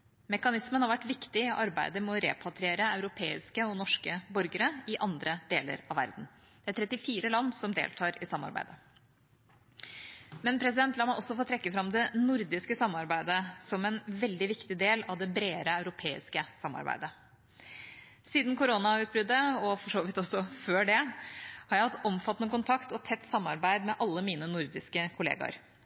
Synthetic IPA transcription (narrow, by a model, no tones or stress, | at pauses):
mɛkɑnɪsmənhɑɾʋæʈːʋɪkt̪ɪɔʔɑɾbæɪd̪əmɛɔɾɛ̰ːpʰɑt̪ʰɾeːɾəɑʉɾʊpʰeːɪ̰skəɔnɔʂkəbɔɾɡəɾəɪʔɑnd̪ɾəd̪eːlə̰ɾɑʋʋæ̰ɾd̪n̩ | d̪ɛæʈ̪ʰɾɛt̪ːɪfiːɾəlɑnːsɔmd̪ḛːlt̪ʰɑːɾɪsɑmːɑ̰ɾbæ̰ɪd̪ə | mɛnpʰɾɛs̬ɪd̪ɛnt̪lɑmːɑʔɔsːɔfoːt̪ʰɾɛkːəfɾɑmd̪ɛnʊɾd̪ɪskəsɑmːɑɾbæɪd̪əsɔmɛnʋɛld̪ɪʋɪkt̪ɪd̪eːlɑʋd̪ɛbɾeːɾəɑʉɾʊpʰeːɪ̰skəsɑmːɑ̰ɾbæ̰ɪd̪ə | siːd̪n̩kʊɾoːnɑʉːt̪̚bɾʏd̪ːəɔfɔʂoːʋɪt̪ːɔsɔføːɖɛhɑɾjæɪhɑt̪ːɔmfɑt̪ːənəkʊnt̪ʰɑkt̪ɔt̪ʰɛt̪ːsɑmːɑ̰ɾbæɪd̪mɛʔɑlːəmiːnənʊɾd̪ɪskəkʰʊlḛːɡɑ̰ɾ